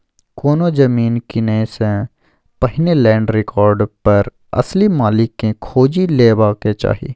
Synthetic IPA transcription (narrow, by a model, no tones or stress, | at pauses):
koːnod͡ʒɐmiːnkinẽsẽ | pɐɦɪnelɛ̃ːɳɖɾɪkɔːɾɖpɐɾ | ɐ̰slimaːlɪkːẽkʰoːd͡ʒileːbaːket͡ʃa̰ːɦḭː